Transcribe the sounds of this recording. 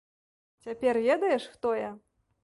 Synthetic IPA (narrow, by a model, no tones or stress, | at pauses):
t͡sʲapʲɛrvʲɛd̪ɐjɛʂxt̪ɔjɐ